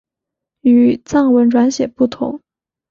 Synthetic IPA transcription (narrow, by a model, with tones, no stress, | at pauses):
y˨˩t͡sɑ˥˩ŋwə˧˥nʈ͡ʂwa˧˥nɕjɛ˨˩pu˥˩t̪ʰʊ̰˧˥ŋ